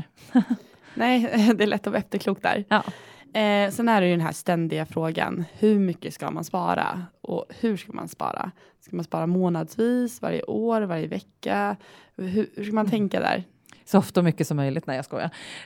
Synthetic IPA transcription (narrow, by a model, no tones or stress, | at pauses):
nɛːd̪ɛæɭɛt̪ːɔv̰ːɛft̪əɾkʰluːkt̪d̪æ̰ɾ | sɛnæɖɛjɵd̪ɛnɦæːʂt̪ɛnd̪ɪɡafɾoːɡa̰nhɵɾmʏkːəska̰manspɑ̰ːɾaʔɔhɵʂkama̰nspɑ̰ːɾa̰ | skamanspɑːɾamoːnad̪sviːsva̰ɾjə̰ʔoːɾvaɾjəvɛkːa | ɦɵhʉʂkamant̪ʰɛŋkad̪æ̰ːɾ | sɔɔft̪ɔmʏkːəsɔmːœjlɪt̪næjɑskɔ̰ja̰